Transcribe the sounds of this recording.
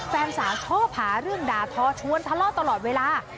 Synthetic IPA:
fɛː˧nsaː˩˦t͡ɕʰɔː˥˩phaː˩˦ɾɯ˥˩əŋdaː˧t̪ʰɔː˧˥t͡ɕʰu˧˥ə˨nt̪ʰa˧lɔː˥˩t̪a˧lɔː˨˩t̪̚weː˧laː˧

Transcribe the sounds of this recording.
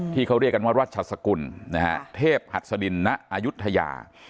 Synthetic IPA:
t̪ʰiː˥˩kʰa˦˥wɾi˥˩ka˧nwaː˥˩ɾwaː˥˩t̪̚t͡ɕʰa˨˩sa˧ku˧nna˦˥ha̰˦˥t̪ʰeː˥˩p̚ha˨˩t̪̚sa˧di˧nːa˦˥ʔʔaː˧ju˦˥t̪ʰːa˧ja̰ː˧˩

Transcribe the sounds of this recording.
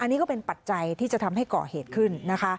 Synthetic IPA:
ʔa˧nːiː˦˥kɔː˥˩pe˧npa˨˩t̪̚t͡ɕa˧jt̪ʰiː˥˩t͡ɕa˨˩t̪ʰa˧mɦa˥˩jkɔ̰ː˨˩heː˨˩t̪̚kʰɯ˥˩nːa˦˥kʰa˦˥

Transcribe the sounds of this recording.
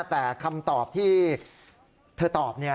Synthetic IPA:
t̪ɛː˨˩kʰa˧mt̪ɔː˨˩p̚t̪ʰiː˥˩ | t̪ʰɤː˧t̪ɔː˨˩p̚ni˥˩ɐ

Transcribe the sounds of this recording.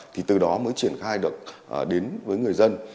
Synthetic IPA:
t̪ʰi˨˩t̪ɨ˨˩ɗɔ˨˦məː˨˦jt͡ɕi˧˩ənxaː˧jɗɨ˨˩ək̚ʔɗe˨˦nvəː˨˦jŋɨ˨˩əjzə˧n

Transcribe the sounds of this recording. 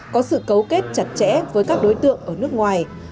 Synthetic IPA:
kɔ˨˦sɨ̰˧˨kə˨˦wke˦˥t̚t͡ɕa˨˩t̚t͡ɕɛ̰˧˥vəː˨˦jkaː˦˥k̚ɗo˨˦jt̪ɨ̰˧˨əŋʔəː˧˩nɨ˦˥ək̚ŋwaː˨˩j

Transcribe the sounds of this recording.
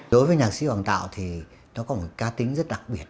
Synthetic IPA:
ɗo˨˦jvəː˨˦jɲaː˨˩k̚sḭ˧˥hwaː˨˩nt̪a̰ː˧˨wt̪ʰi˨˩ | nɔ˨˦kɔ˨˦mo˨˩t̚kaː˨˦t̪ï˨˦ŋ̟zə˦˥t̚ɗa˨˩k̚ɓi˨˩ət̚

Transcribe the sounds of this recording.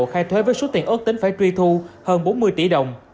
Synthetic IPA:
xaː˧jt̪ʰwe˨˦vəː˨˦jso˨˦t̪i˧˩ənʔə˦˥t̪ï˨˦ŋ̟faː˧˩jt͡ɕwi˧t̪ʰu˧həː˧nɓo˨˦nmɨ˧əjt͡ɕi˧˩ɗə˨˩wŋ͡m

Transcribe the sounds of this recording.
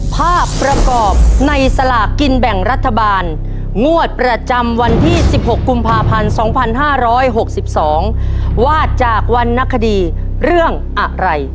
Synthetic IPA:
pʰaː˥˩kːɾa˧kɔː˨˩p̚na˧jsa˧la˨˩ki˧nbɛ˨˩ŋɾa˦˥t̪ʰːa˧baː˧n | ŋu˥˩ət̪̚pɾa˧t͡ɕa˧mwa˧nt̪ʰiː˥˩si˨˩p̚ho˨˩kːu˧mpʰaː˧pʰa˧nsɔː˩˦ŋpʰa˧nɦaː˥˩ɾɔː˦˥jɦo˨˩k̚si˨˩p̚sɔː˩˦ŋwaː˥˩t̪̚t͡ɕaː˨˩k̚wa˧nːa˦˧˥kʰːa˧diː˧ | ɾɯ˥˩əŋ | ʔa˨˩ʔɾa˧j

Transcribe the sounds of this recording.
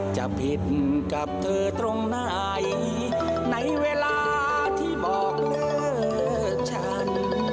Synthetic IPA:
t͡ɕa˨˩pʰi˨˩t̪̚ka˨˩p̚t̪ʰɤː˧t̪ɾo˧ŋnaː˧˩ | j | na˧˥jweː˧laː˧ | t̪ʰiː˥˩bɔː˨˩k̚lɤː˧˩˥ | t͡ɕʰa˦˥˩n

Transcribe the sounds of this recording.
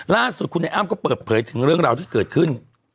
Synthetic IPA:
laː˥˩su˨˩t̪̚kʰu˧nːʔa˧˩ʔaː˥˩˨mkɔː˥˩pɤː˨˩t̪̚pʰɤː˩˦jt̪ʰɯ˩˦ŋɾɯ˥˩əŋɾaː˧wt̪ʰiː˥˩kɤː˨˩t̪̚kʰɯ˥˩n

